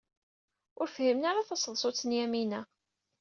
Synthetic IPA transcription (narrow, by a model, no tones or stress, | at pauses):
ʊɾfhimnaɾaθɑsˤðˤsˤot͡sːənjæminæ